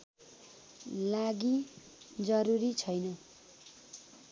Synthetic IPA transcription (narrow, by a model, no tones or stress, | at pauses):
laɡi | d͡zʌɾuɾit͡sʰʌjnʌ